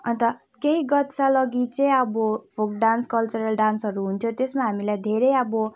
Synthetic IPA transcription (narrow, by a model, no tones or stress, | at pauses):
ʌnt̪ʌ | keɦiɡʌt̪salʌɡit͡sʌĩʌbʌpʰok̚ɖanskʌlt͡sʌɾʌlɖansʌɾuɦunt̪ʰjot̪esmaɦamilajd̪ʱeɾejʌbʌ